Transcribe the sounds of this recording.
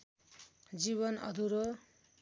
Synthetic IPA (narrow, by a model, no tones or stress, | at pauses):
d͡ziβʌnʌ̰d̪ʱuɾo